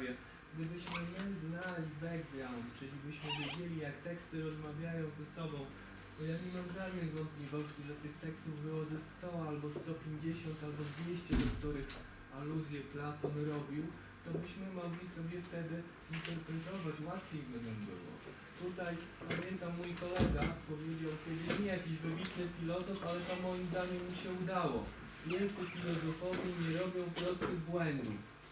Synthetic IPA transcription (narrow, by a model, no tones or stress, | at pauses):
jɛ | ɡd̪ɘbɘɕmɘmɘznalʲivɛɡvʲlant̪t͡ʂɘlʲibɘɕmɘvʲjed͡ʑelʲijak̚t̪ɛkst̪ɘɾɔzmavʲjajɔ̃w̃zɛsɔbɔ̃w̃ | bɔjakɲɛmamɡɾavʲɛjvɔnt̪̚pʲlʲivɔɕt͡ɕiʐɛt̪ɘxt̪ɛkst̪uvbɘwɔzɛst̪ɔalbɔst̪ɔpʲjeɲd͡ʑeɕɔnt̪albɔd̪vʲjeɕt͡ɕɛd̪ɔkt̪uɾɘx | aluzʲjɛplat̪ɔnɾɔbʲiw | t̪ɔmuɕmɘmɔɡlʲisɔbʲjɛft̪ɛd̪ɘ | int̪ɛɾpɾɛt̪ɔvat͡ɕwat̪fʲjejbɘnɛmbɘ̰wɔ̰ | t̪ut̪aj | pamʲjɛnt̪amːujkɔlɛɡapɔvʲjed͡ʑawk̪ʲɛd̪ɛɲɛjakʲiʑvɘbʲit̪nɘfʲilɔzɔfalɛt̪ɔmɔjimzd̪aɲɛmːiɕɛud̪awɔ | vʲjɛnt̪sɛfʲilɔzɔfɔvʲiɲɛɾɔbʲjɔ̃w̃fpɾɔst̪ɘɣbwɛnd̪ṵf